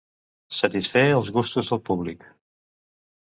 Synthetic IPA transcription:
sət̪isfeəlˠzɣust̪uzðəlˠpuβlik

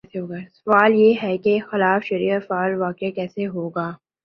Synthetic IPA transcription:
ɛseɦoːɡasɐʋaːljeːɦɛkexɪlaːfʃɐɾiːəfaːlʋaːkakɛːseɦoːɡaː

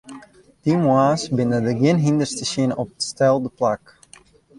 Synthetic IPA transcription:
d̥imwaːsbɪnədəɡɪnɦindərstəʃɪnɔp̚ətstɛlˠdəplak

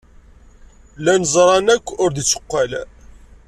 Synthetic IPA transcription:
lænəzˤɾˤɑnækʷːʊɾd̪ət͡sːə̥qːal

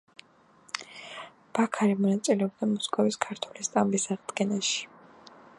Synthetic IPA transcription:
b̥akʰaɾimɔnat̪sʼilɛɔbd̪amɔskʼɔviskʰaɾt̪ʰwulist̪ʼambisaʁd̪ɡɛnaʃi̥

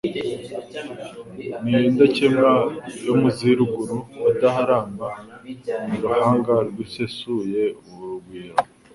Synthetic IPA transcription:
niiːndacemajomuziɾuɡuɾuidaɦaɾaːmba | miɾuhaːŋɡaɾɡisesuje̞uβuɾuɡwiːɾo

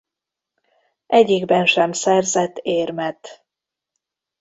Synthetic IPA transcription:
ʔɛɟːiɡbɛnʃɛmsɛrzɛt̪ːeːrmɛt̪

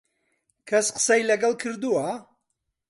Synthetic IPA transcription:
kʰɐsqə̥sɐjlɐɡɐlˠkʰɨɾd̪uwɐ

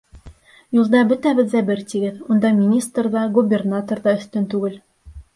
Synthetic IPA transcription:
julˠd̪ɑbɵ̆t̪æbɘðzæbɘɾt̪iɡɘðund̪ɑmʲinʲist̪rðɑɡubʲernat̪orðɑɵ̆θt̪ɵnt̪ʉɡɘl

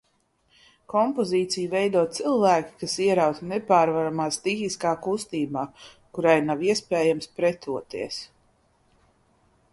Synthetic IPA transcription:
kɔmpɔziːt̪sijuvɛjd̪uɔt̪̚t̪silˠvæːkʲi̥kasiɛɾawt̪nɛpaːɾvaɾamaːst̪ixiskaːkust̪iːbaː | kuɾajnawiɛspɛːjamspɾɛt̪uɔt̪iɛs

